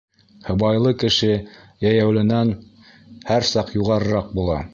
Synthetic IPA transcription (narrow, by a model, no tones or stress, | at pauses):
hɤ̆bɑjlˠɤkɘ̆ʃɘ | jæjæwlɘ̆næn | hæɾsɑqjuʁɑɾɤ̆ɾɑq̚bulˠɑ̰